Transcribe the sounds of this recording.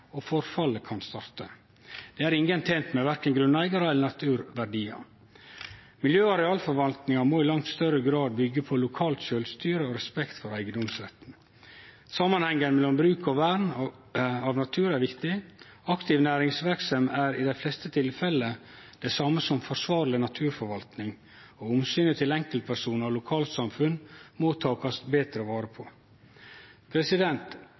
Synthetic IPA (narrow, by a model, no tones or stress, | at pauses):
ofɔɾfɑlːəkʰɑnst̪ɑɾt̪ə | d̪̥eːæɾɪŋɡənt̪ʰeːnt̪mɛʋæɾkənɡɾʉnæɪɡɑɾəɛlənɑt̪ʰʉːɾʋæɾɖiːɑ̰ | mɪljøːɑɾɛɑːlfɔɾʋɑlt̪nɪŋɑmoːɪlɑŋt̪st̪œɾəɡɾɑːd̪̚bʏɡːəpʰɔlʊkʰɑːlt̪ʃølst̪yːɾəoɾɛspɛkt̪fɔɾæɪɡəd̪ɔmsɾɛt̪n̩ | sɑmːɑnhɛŋːənmɛlɔmbɾʉːkɑʋæːɾɳ | ɑʋnɑt̪ʰʉːɾæɾʋɪkt̪ɪ | ɑkt̪ʰɪʋnæːɾɪŋsʋæɾksɑmæːɾɪd̪æɪflɛst̪ət̪ʰɪlfɛlːə | d̪̥ɛɪsɑːməsɔmfɔʂʋɑːɾlɪnɑt̪ʰʉːɾfɔɾʋɑlt̪nɪŋ | ɔʊmsyːnət̪ʰɪlɛŋkəlt̪̚pʰæʂuːnəlʊkʰɑːlt̪sɑmfʉnmot̪ʰɑːkɑsbeːt̪ɾəʋɑːɾəpʰɔ | pʰɾɛsɪd̪ɛnt̪